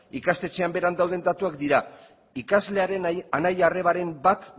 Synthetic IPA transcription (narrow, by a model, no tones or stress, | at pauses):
ikast̪e̞t͡ʃe̞ambe̞ɾand̪awð̞e̞nd̪at̪uakd̪iɾa | ikazle̞aɾe̞nanajare̞βaɾe̞mbat̪